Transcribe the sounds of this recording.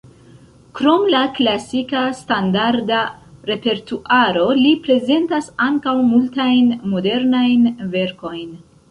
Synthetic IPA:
kɾo̞mlaklasikastandaɾdaɾe̞pe̞ɾtuʔaɾo̞lipɾe̞ze̞ntasaŋkawmultajnmo̞de̞ɾnajnve̞ɾko̞jn

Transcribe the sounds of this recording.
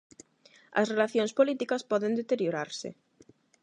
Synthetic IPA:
ɐ̰srelaθjõŋspolit̪ikɐspɔðẽnd̪et̪eɾjoɾaɾsɪ̰

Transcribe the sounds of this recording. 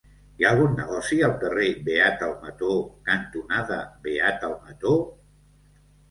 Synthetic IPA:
jaːlˠɣ̞unːəɣɔsiəlˠkərebeat̪əlˠmət̪okənt̪unaðəβeat̪əlˠmət̪o

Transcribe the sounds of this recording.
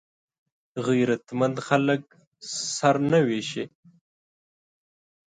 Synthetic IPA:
ɣijɾat̪mand̪xalək̚ | saɾnaweʃe

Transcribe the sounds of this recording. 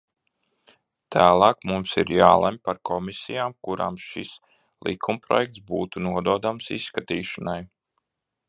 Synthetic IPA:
t̪ʰæːlˠɑːkmumsiɾjaːlˠamʲpaɾkʰɔmisijaːmkuɾa̰ːmʃis | lˠḭkʰumpɾɔ̰jɛk̚t̪sbṵːt̪unuɔd̪uɔd̪amsḭsːkat̪iːʃanaj

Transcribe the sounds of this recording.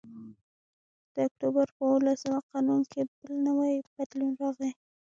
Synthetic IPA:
d̪̥əak̚t̪ubaɾpəwəlasawaqɑnunkʰebəlnawajb̥ad̪lunɾɑɣe

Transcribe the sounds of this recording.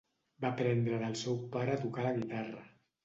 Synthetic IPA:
bapɾɛnd̪ɾəðəlˠsɛwpaɾəat̪ukaləɣit̪arə

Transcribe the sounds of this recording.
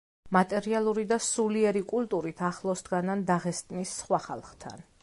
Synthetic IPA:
mat̪ʼɛɾialˠuɾid̪asuliɛɾikʼulˠt̪ʼuɾit̪ʰaχlˠɔsd̪ɡanand̪aʁɛst̪ʼnisːχwaχa̰lˠχt̪ʰa̰n

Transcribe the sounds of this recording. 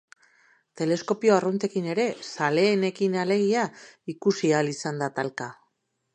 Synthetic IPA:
t̪e̞le̞sko̞pioarunt̪e̞kine̞ɾe̞sale̞ːne̞kinale̞ɣ̞iaikusialisand̪at̪alka

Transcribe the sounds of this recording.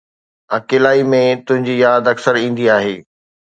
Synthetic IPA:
ɐkeːlaːimẽt̪ʊ̃ɦɪ̃ɲd͡ʑiːjaːd̪ɐksəɾĩːn̆d̪iaːɦeː

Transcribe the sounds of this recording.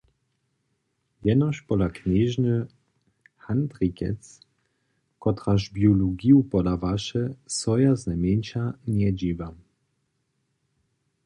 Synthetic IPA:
jɛnɔɕpɔlakɲeʑnə | hant̪ʁikɛ̰t͡s | kɔt̪ʁaʒbjɔluɡiupɔd̪avaʃɛsɔjaznamʲjɛnʲt͡ɕaɲʲɛd͡ʑivam

